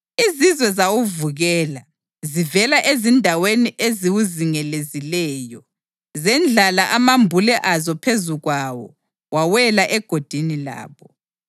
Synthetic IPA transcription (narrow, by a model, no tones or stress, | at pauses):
izizwɛzawuvuɣɛːla | zivɛlaʔezindʱaweniʔeziwuziŋɛlezilɛːjɔ | zɛnd͡ɮʱalaʔamambʱulɛʔazɔpʰezuɣwawɔ̰ | wawɛlaʔɛɡ̥ʱod̥ʱinila̰ːβɔ